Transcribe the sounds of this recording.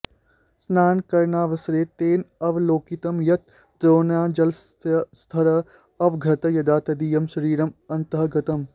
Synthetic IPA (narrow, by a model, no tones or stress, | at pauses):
snaːnkɐɾnaːʋɐsɾeːt̪eːnɐʋloːkit̪ɐmjɐt̪̚ | d̪ɾoːnaːd͡ʒɐlsst̪ʰɐɾɐ | ɐʋɡʱɐt̪ɐjɐd̪aːt̪ɐd̪iːjɐmʃɐɾiːɾɐmɐnt̪əɦɡɐt̪ɐm